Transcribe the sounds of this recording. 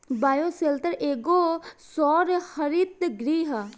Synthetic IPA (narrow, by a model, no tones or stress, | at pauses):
baːjoːseːlt̪əɾʔeːɡoːsɔːɾhəɾit̪ɡɾiːɦ